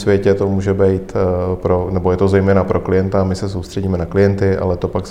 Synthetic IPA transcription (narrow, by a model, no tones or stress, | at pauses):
sʋjɛcɛt̪omuːʒɛbɛjt̪pɾonɛbo̞jɛt̪o̞zɛjmɛːnapɾʔo̞klɪjɛnt̪amɪsɛsowst̪r̥ɛɟiːmɛnaklɪjɛnt̪ɪʔa̰lɛt̪o̞pak